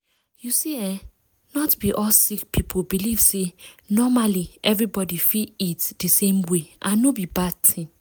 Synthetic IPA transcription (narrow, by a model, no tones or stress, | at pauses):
jusiɛ̃ | nɔtbiʔɔlsik̚pʰipʰobiliv̥senɔmaliʔɛvɹibɔdifiitdəsẽmweʔãnobibad̚tʰĩn